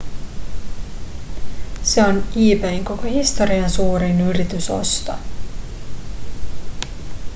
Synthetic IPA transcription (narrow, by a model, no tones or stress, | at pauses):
se̞oniːpeiŋko̞kohist̪o̞ɾiɑnsuːɾinyɾit̪yso̞̰st̪ɑ̰